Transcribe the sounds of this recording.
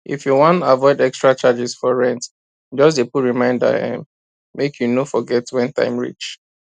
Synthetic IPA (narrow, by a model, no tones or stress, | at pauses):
ʔḭfjuwɔ̃ntavɔɪdɛkstɹat͡ʃad͡ʒisfɔɹɛ̃nt | d͡ʒɔs̬depuɹimãɪ̃nda̰ã̰m | mekʰjunofɔɡɛtwɛ̃ntã̰ɪ̃mɹḭt͡ʃ